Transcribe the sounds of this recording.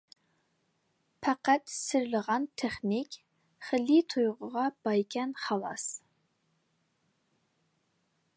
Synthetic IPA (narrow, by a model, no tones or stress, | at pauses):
pʰaqɑtʰʼsɨrɮɨʁɑntʰeχnikʲʼ | χəɮiːtʰojʁʷʊʁɑb̥ajkʲʰænχɑlɑ̰s